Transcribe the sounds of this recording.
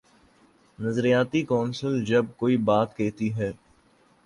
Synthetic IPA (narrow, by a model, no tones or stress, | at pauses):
nɐzɾijaːt̪ikɔːnsəld͡ʒɐb̚koːibaːt̪keːt̪iɦɛː